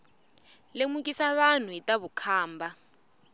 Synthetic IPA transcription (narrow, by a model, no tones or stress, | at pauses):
lemukʼisaβan̤uɦitʼaβukʰaːmba